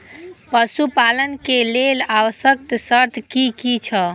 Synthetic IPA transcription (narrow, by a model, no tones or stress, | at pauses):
pəsupalənkelelawəsəkt̪səɾt̪ʰkikit͡ʃʰə